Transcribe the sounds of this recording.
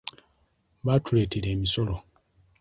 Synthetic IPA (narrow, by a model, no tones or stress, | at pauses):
βatule̞ːteɾe̞ːmiso̞lo